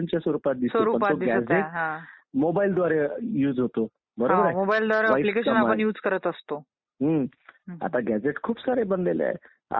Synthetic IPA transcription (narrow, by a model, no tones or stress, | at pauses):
nt͡ɕasoɾupat̪̚d̪issooɾuəpat̪od̪iɡæd͡zeɦãmobaild̪ʋaɾejuːd͡zɦot̪o | bəɾobəɾamobaild̪ʋaɾealikeɕənapəɳjuːd͡zkəɾət̪əst̪o | ɦəa̰t̪aɡæd͡zeʈkʰuːpsaɾebənd̪el̰a̰ | a̰